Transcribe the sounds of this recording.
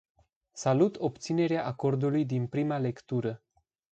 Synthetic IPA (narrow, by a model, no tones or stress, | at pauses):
salut̪o̞p̚t̪sine̞ɾeaʔako̞rd̪ulujd̪inpɾimale̞kt̪uɾə